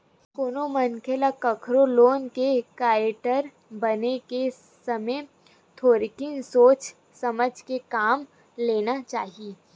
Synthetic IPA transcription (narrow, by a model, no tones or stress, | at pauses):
koːnomɐnkʰelakɐkʰɾoloːnkekaːɾɪʈəɾ | bɐneke | sɐməj | t̪ʰoːɾikɪnsoːt͡ʃ | sɐməd͡ʒʱkekaːm | leːnat͡ʃaːɦieː